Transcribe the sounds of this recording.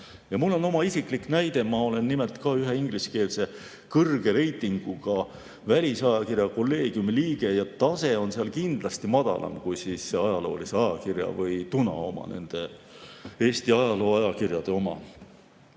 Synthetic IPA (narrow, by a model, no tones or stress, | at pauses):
jɑmulːo̞no̞mɑisikˑliknæjd̪̥e̞mɑo̞le̞nːimelt̪ˑkɑyɦe̞iŋɡliske̞ːlse̞ | kɤrɡ̥e̞ɾe̞jt̪ˑːiŋɡ̥uɡ̥ɑ | vælʲisɑjɑkirjɑko̞lːe̞ːɡ̥jumiliːɡ̥e̞jɑt̪ɑse̞o̞nseɑlkind̪̥lɑst̪imɑd̪̥ɑ̰lɑ̰mkujsisːe̞ɑjɑlo̞̰ːlise̞ɑjɑkirjɑ̰vɤjt̪unɑ̰o̞mɑ̰ne̞̰nd̪̥e̞ | e̞ːst̪iɑjɑlo̞ːɑjɑkirjɑd̪̥e̞o̞mɑ̰